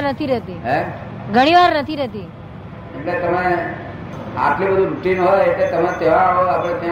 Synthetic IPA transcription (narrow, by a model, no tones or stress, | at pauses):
nət̪ʰiɾɛɦt̪iɦɛ | ɡʱəɽ̃iʋaɾnət̪ʰiɾɛɦt̪i | emlet̪əme | a̰ʈlibəd̪ʱuɾuʈinɦojetlet̪əmet̪eʋãɦoapəɽet̪ã